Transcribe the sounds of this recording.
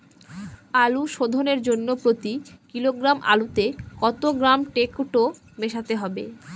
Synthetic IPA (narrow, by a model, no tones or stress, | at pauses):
aluʃod̪ʱoneɾd͡ʑonːopɾot̪ikiloɡɾamʔa̰lut̪ekɔt̪oɡɾamʈekʈo | meʃat̪eɦɔbḛ